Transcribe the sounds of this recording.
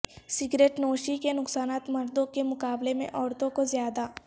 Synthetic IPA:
sɪɡɾeːʈnoːʃikenʊksaːnaːt̪mɐɾd̪õkemʊkaːblemḛ̃ʔɔːɾt̪õkozjaːd̪a

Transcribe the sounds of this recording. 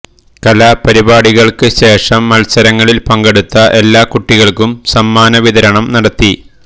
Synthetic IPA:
kɐlapɐɾibaːɽiɣɐɭkɨɕe̞ːʂɐmːɐlsɐɾɐŋːɐɭilpɐŋɡeɽut̪ːɐʔe̞lːaːkuʈːiɣɐɭkumsɐmːaːnɐʋiðɐɾɐɳɐmnɐɽɐt̪ːi

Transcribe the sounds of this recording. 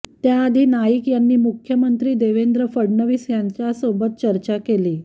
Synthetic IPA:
t̪jaːd̪ʱiːnajiːkjanːiːmukʰjəmənt̪ɾiːd̪eʋend̪ɾəfəɽnəʋiːsjaɲt͡ɕjasobət̪̚t͡ɕəɾt͡ɕakeliː

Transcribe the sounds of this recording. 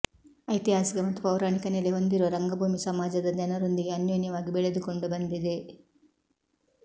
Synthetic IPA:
ɐjt̪iɦaːsikɐmɐt̪ːupɐwɾaːɳikɐneleɦo̞nd̪iɾoɾɐŋɡɐbʱuːmisɐmaːd͡ʒɐd̪ɐd͡ʒ̪ɐnɐɾo̞nd̪iɡe̞ɐnjonjɐʋaːɡibɛɭed̪uko̞ɳɖubɐnd̪id̪e̞

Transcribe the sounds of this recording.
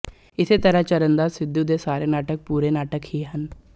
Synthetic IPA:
ɪseːt̪əɾəɦt͡ʃəɾənd̪aːsɪd̪ːuːd̪eːsaːɾeːnaːʈək̚puːɾeːnaːʈəkhiɦən

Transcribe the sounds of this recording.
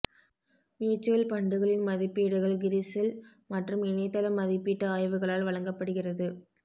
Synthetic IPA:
miːt͡ʃːɯʋɐlpɐɳɖɯɣɐɭɪnmɐðɪpːiːɽɯɣɐɭɡɪɾɪsɪl | mɐʈrɯmɪnɐɪt̪ːɐlɐmːɐðɪpːiːʈːɐaːjʋɯɣɐɭaːlʋɐɭɐŋɡɐpːɐɽɯɣɪrɐðɯ

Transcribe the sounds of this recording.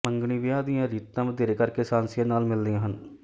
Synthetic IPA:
mə̃ŋɡɳ̃iʋjãːd̪ijãːɾiːt̪ːãːm̃d̪eːɾekəɾkesãːnsjə̃naːlmɪld̪iãːɦən

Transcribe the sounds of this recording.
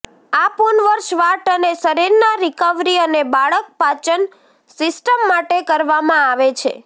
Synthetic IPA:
apunʋəɾʃʋaʈənesəɾiɾnaɾikəʋɾiənebaɭək̚pat͡ʃən | sɪsʈəmːaʈekəɾʋamãaʋet͡ʃʰḛ

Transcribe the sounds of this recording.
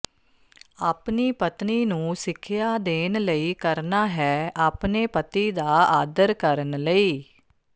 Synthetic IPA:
aːpniːpət̪niːnũːsɪkʰːɪjaːd̪eːnləiːkəɾnaːɦɛːaːpneːpət̪iːd̪aːaːd̪əɾkəɾənləiː

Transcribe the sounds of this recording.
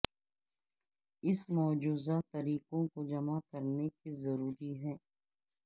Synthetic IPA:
ɪsmɔːd͡ʒuːzat̪ɐɾiːqõkod͡ʒɐmakəɾnekizɐɾuːɾiɦɛː

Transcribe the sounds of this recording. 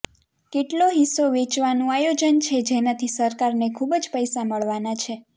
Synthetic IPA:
keʈloɦisoʋet͡ʃʋanũajod͡ʒənt͡ʃʰed͡ʒenat̪ʰisəɾkaɾnekʰubd͡ʒpəjsaməɭʋanat͡ʃʰe

